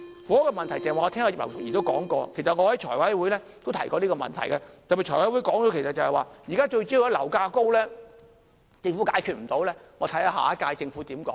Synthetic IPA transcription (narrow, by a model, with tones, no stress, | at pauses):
fuː˨˥ɔ˥kɔː˧mɐ˨nt̪ʰɐ˨˩jt͡sa˨˩˨waː˨ŋɔ˧ɛː˥ŋaː˧i˨˩pɐ̰˨˩˨jiː˨t̪o˥wkɔ̰ː˨˥ŋkɔː˧kʰe˨˩jsɐ˨t̚ŋɔː˨˧ɐ˨˥jt͡ʃʰɔː˨˩jwɐ˨˥jwuː˨˥jlɛː˥t̪o˥wt̪ʰɐ˨˩jkɔː˧liː˥kɔ˧mɐ̰˨nt̪ʰɐ̰˨˩jkɛ˧t̪ɐ˨piː˨t͡ʃʰɔː˨˩wɐ˨˥jwuː˨˧˥jkɔː˨˥ŋɔː˨˥kʰe˨˩jsɐ˨t̚t͡sɐ˨˧hɛ˨jwaː˨jiː˨kaː˥t͡ʃɵ˧ɥt͡ɕiː˥ju˨jɐ˥lɐ̰˨˩wkaː˧ko˥wlɛː˥ | t͡sɪ˧ŋfu˨˥ka̰ː˨˥jkʰy˨t̚m̩˨˩t̪o˨˥wlɛː˥ŋɔː˨˧t̪ʰɐ˨˥ja˧ɦa̰ː˨˥kaː˧jt͡sɪ˧ŋfu˨˦˥t̪iː˨˥mkɔː˨˦˥ŋ